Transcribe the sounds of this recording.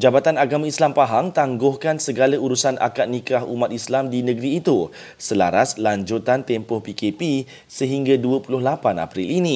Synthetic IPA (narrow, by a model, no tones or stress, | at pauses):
d͡ʒabat̪anaɡamãislampaɦaŋt̪aŋɡʊhkansəɡalauɾusanʔa̰kat̪̚nĩkaɦṵmãt̪̚islamdinə̃ɡɾiːt̪u | səla̰ɾaslaɲd͡ʒut̪ant̪ɛmpɔhpikepi | səɦiŋɡaduəpulʊhlapana̰pɾilinĩ